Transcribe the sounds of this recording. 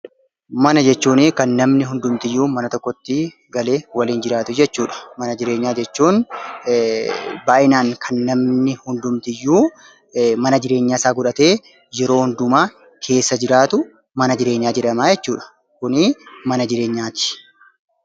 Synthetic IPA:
mɐnɐd͡ʒɛt͡ʃːuːnɪːkɐnːɐmnɪɦʊnd̪ʊmt̪ɪjːuːmɐnɐt̪ɔkːɔt̪ːɪ | ɡɐle̞ːwɐliːnd͡ʒɪɾaːt̪ʊd͡ʒɛt͡ʃːuːᶑɐ̥mɐnɐd͡ʒɪɾe̞ːɲːaːd͡ʒɛt͡ʃːuːn | baːʔɪnaːŋkʰɐnːɐmnɪhʊnd̪ʊmt̪ɪjːuː | mɐnɐd͡ʒɪɾe̞ːɲːaːɪsaːɡʊᶑɐt̪e̞ː | jɛɾo̞ːhʊnd̪ʊmaː | kʰe̞ːsːɐd͡ʒɪɾaːt̪ʊ | mɐnɐd͡ʒɪɾe̞ːɲːaːd͡ʒɪᶑɐmaːd͡ʒɛt͡ʃːuːᶑɐ̥ | kʊnɪmɐnɐd͡ʒɪɾe̞ːɲːaːt̪ɪ̥

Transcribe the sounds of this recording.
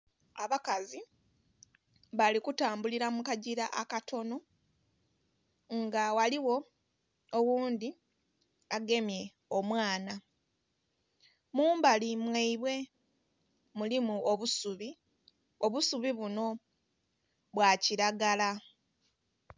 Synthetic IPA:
aβakazi | βalikutaːmbuliɾamukaɟiɾaʔakato̞no̞ | ŋɡawaliwo̞ | owuːndi | aɡe̞mje̞ | omwaːna | muːmbalimweiβwe̞ | mulimuoβusuβi | oβusuβiβuno̞ | βwaciɾaɡala

